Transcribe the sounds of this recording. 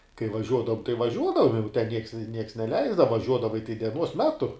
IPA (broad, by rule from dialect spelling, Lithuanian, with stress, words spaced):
kɐɪ ʋɐˈʒʲuɔdɐʋʊm tɐɪ ʋɐˈʒʲuɔdɐʋʊm jɛʊ tʲɛn nʲiɛks nʲiɛks nʲɛˈlʲɛɪzdɐʋɐ ʋɐˈʒʲuɔdɐʋɐɪ tɐɪ dʲɛˈnuɔs ˈmʲæːtʊ